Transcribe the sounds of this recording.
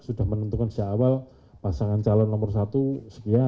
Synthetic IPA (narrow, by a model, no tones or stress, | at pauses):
sudahmənənt̪ukansaːwal | pasaŋant͡ʃalɔnːɔmərsat̪usə̥kia